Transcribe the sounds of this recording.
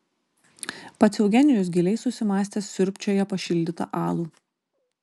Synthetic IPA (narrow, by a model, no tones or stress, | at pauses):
pɐt̪sʲɛʊɡʲɛnʲɪjʊs̬ɡʲɪlʲɛɪsʊsʲɪmɑːsʲt̪ʲeːsʲsʲʊɾʲpʲt͡ʃʲoːjɛpɐʃʲɪlʲd̪ʲɪt̪ɐ̰ʔɑːlˠuː